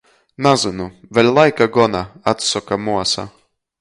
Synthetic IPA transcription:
nazɨnuvʲelʲlˠajkaɡɔnaat̪sɔkamuɔsa̰

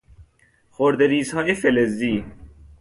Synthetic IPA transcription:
xoɾd̪eɾiːzhɒːjefelezːiː

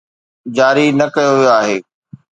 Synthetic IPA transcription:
d͡ʑaːɾinɐkɐjoʋijoaːɦeː

